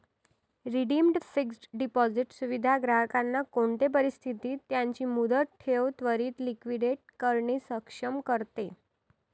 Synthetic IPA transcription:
ɾiɖimɖsiksʈɖipɔd͡ziʈsuʋid̪ʱaɡɾaɦəkanːakoɳt̪ep̬əɾist̪ʰit̪iːt̪jaɲt͡ɕiːmud̪əʈʰeʋt̪ʋəɾiːt̪likʋiɽeʈ̚kəɾɳisəkʂəmkəɾt̪e

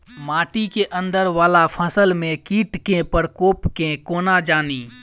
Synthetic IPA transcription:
maːʈikeʔə̃nd̪əɾʋaːlapʰəsəlmẽkiːʈkẽpəɾkoːpkẽkoːnad͡ʒaːniː

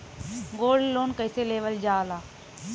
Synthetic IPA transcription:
ɡoːɖːoːnkəɪseːleːʋəld͡ʒaːlaː

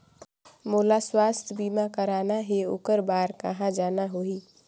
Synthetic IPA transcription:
moːlaswast̪ʰjəbimakəɾanaɦeo̰ːkəɾbaːɾkə̰ɦãd͡ʒaːnaɦoi

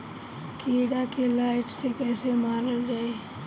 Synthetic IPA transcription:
kʰeːɽakelaːɪʈsekɛːsemaːɾəld͡ʒaːe

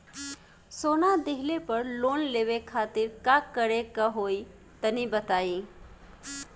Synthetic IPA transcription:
soːnad̪eɦlepəɾloːnleːʋekʰaːt̪ɪɾkakəɽekəɦoːi | t̪ənibət̪aːi

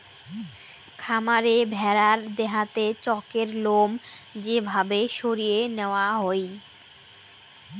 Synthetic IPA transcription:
kʰamaɾebʱɛɾaɾd̪eɦat̪et͡ɕɔkeɾlom | d͡ʑebʱabeʃoɾijeneoaɦoj

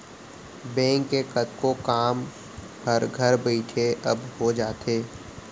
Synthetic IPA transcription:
bɛ̃ːŋkːekɐt̪̚kokaːm | hɐɾɡʱɐɾbɛɪʈʰeɐbɦod͡ʒaːt̪eː

